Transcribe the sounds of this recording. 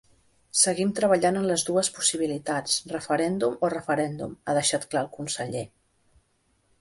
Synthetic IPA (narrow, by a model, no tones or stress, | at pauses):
səɣimt̪ɾəβəʎanənləzðuəspu̥siβ̞ilit̪at͡srəfəɾɛnd̪umorəfəɾɛnd̪ṵmaðəʃat̪klaəlˠkunsəʎe